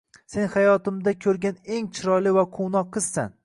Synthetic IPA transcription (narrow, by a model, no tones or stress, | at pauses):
se̞nhajɒt̪ʰɪmd̪akʲʰɵɾɡʲane̞ŋt͡ʃʰɪɾɒlɪvaqʰownɒqʰːɨz̥sa̰n